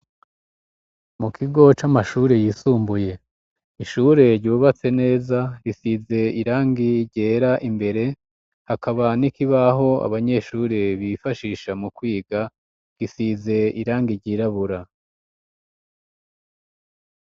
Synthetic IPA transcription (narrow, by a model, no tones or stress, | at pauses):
mukʰiɡo̞t͡ʃamaʃuːɾe̞jiːsuːmbuje̞ | iʃuɾe̞ɾɟuːβat͡se̞ne̞ːzaɾisize̞iɾaːŋɡiɾɟe̞ːɾaʔimbe̞ɾe̞ | hakaβanikiβaɦo̞a̰βaɲe̞ʃuːɾe̞βifaʃiːʃamukwiːɡa | ɡ̥isize̞iɾaːŋɡiɾɟiːɾaβuɾa